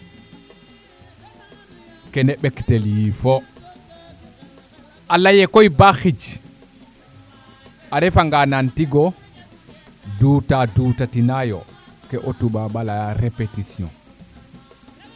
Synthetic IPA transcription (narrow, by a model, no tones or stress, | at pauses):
kɛnɛɓɛktɛljifɔ | ʔalajɛkojbaxid͡ʒ | ʔaɾɛfaŋɡanantiɡɔ | duːtaduːtatinajɔ̰kɛʔotuɓabalajaɾepetisiɔ̰n